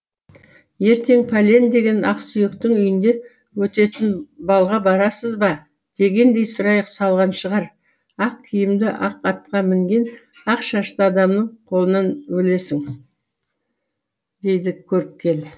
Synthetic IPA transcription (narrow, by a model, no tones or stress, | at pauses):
je̞ɾt̪ʰe̞ŋpʰalʲe̞nd̪e̞ɡʲe̞nɑqsʏjekt̪ɪŋʏjɪnd̪e̞ | wɵt̪e̞t̪ɪnbɑlˠʁɑbɑɾɑsəzbɑ | d̪̥e̞ɡʲe̞nd̪e̞jsʊɾɑjəqsɑlˠʁɑnʃəʁɑɾ | ɑq̚kʲʰɪjɪmd̪ɪʔɑqɑt̪qɑmɪŋɡʲe̞nɑqʃɑʃt̪əɑd̪ɑmnəɴqʰo̞lˠənɑnwɵle̞sɪŋ | d̪e̞jd̪ɪkʲʰɵɾɪp̚kʲʰe̞l